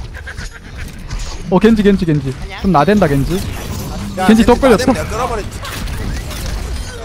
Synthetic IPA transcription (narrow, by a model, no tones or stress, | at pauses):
ʌkend͡ʑikend͡ʑikend͡ʑit͡ɕomnadwendaɡend͡ʑi | kend͡ʑit̪͈ok͈ʌɭjʌs͈ʰo